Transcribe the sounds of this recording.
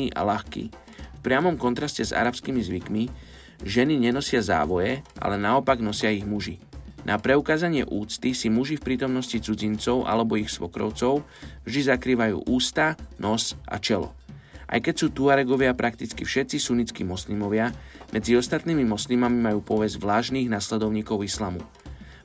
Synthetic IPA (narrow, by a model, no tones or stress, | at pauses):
iːʔa̰laxkḭː | fpɾɪamɔmkɔnt̪ɾascɛza̰ɾapskiːmizʋikmi | ʒɛniɲɛnɔsɪaza̰ːʋɔjɛʔa̰lɛnaɔpaɡnɔsɪaiɣmuʒinʔapɾɛukaːzaɲɪɛʔuːt͡st̪isimuʒifpɾiːt̪ɔmnɔscit͡sud͡zint͡sɔʊʔa̰lɛbɔixsʋɔkɾɔ̰ʊt͡sɔʊvʒd̪izakɾiːʋajṵːʔuːst̪anɔsʔa̰t͡ʃɛlɔ̰ | ʔa̰jkɛcsuːt̪uaɾɛɡɔʋɪapɾʔakt̪it͡skifʃɛt̪t͡sisunit͡skḭmɔsliːmɔʋɪamʔɛd͡ziɔst̪at̪niːmimɔsliːmamimajuːpɔʋɛzʋlaːʒniːɣnaːslɛd̪ɔʊɲiːkɔʊislamṵ